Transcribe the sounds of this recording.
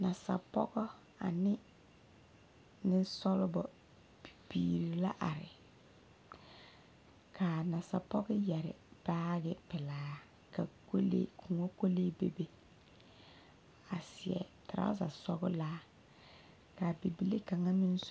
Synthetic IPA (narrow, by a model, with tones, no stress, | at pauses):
na˨sa̰˨pɔ˦ɡɔ˦ | a̰˨nɪ˦ | nɪ˦sɔ˦lʊ˦bɔ˨ | b̥i˨bḭː˨ɾi˨la̰˦ʔa̰˨ɾɪ̰˨ | kʰa˨na˨sa˨pɔ˦ɡɔ˦jɛ˨ɾɪ̰˨b̥aː˦ɡɪ˦pɪ˨laː˨˦ | ka˨ko˦lḛː˦kʰʊ˨ŋo˦ko˦leː˦be˦be˦ | a˨sɪ˨ɛ̰˨ta˨ɾa̰˦za̰˨sɔ˦ɡʊ˦laː˦ | ka˨bi˨bi˨le˦ka˨ŋa˦nɪ̃˦n˦s